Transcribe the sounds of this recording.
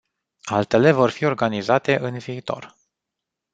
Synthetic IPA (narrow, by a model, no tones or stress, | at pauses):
alt̪e̞le̞vo̞rfio̞rɡanizat̪e̞ʔɨnviːt̪o̞̰r